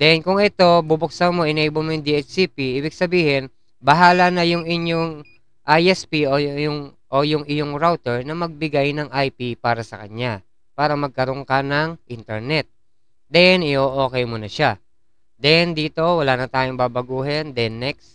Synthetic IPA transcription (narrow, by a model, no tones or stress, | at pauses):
d̪̥ɛnkʊŋɛt̪o̞bubʊk̚samo̞ʔɪnɛjbomojʊŋd̪iɛt͡ʃsipiʔiːbɪɡsɐbiːhɪn | bɐɦaːlɐnɐjʊŋɪɲjoŋ | ʔajʔɛspiʔojʊŋʔojʊŋɪjoŋɾawt̪ɛɹnɐmɐɡ̚bɪɡajnɐŋʔajpipaːɾɐsɐkɐɲa | paːɾɐmɐɡ̚kɐɾoŋkɐnɐŋʔint̪ɛɹnɛt̪̚ | d̪ɛnɪʔoʔo̞ːkɛjmonɐʃa | d̪ɛnd̪iːt̪o̞wɐlaːnɐt̪aːjoŋbaːbɐɡuːɦɛnd̪ɛnːɛk̚s